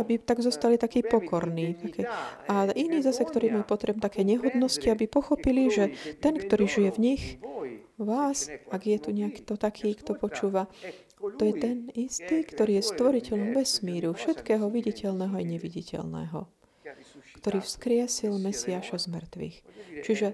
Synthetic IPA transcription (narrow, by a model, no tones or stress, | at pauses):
abit̪aɡzɔst̪alit̪akiːpɔkʰɔɾniːt̪akɛainiːzasɛkt̪ɔɾiːmalpɔt̪ɾɛbmt̪akɛjɲɛɦɔd̪nɔsciabipɔxɔpiliʒɛt̪ɛnkt̪ɔɾiːʒijɛvɲix | ʋaːsaɡjɛt̪uɲɛakt̪ɔt̪akʰiːkt̪ɔpɔt͡ʃuːʋa | t̪ɔjɛt̪ɛnist̪iːkt̪ɔɾiːjɛst̪ʋɔɾicɛʎɔmʋɛsmiːɾufʃɛt̪kɛːɦɔʋiɟicɛlnɛɦɔajɲɛʋiɟicɛ̰lnɛ̰ːɦɔ̰ | kt̪ɔɾiːfskɾɪɛsilmɛsiaʃazmr̩t̪ʋḭːxt͡ʃiʒɛ